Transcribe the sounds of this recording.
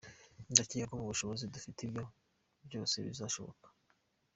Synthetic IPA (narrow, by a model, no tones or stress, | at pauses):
ndacijekomuβuʃo̞βo̞zidufitibjo̞ | bjo̞ːse̞̰βḭzaʃo̞̰βo̰kḁ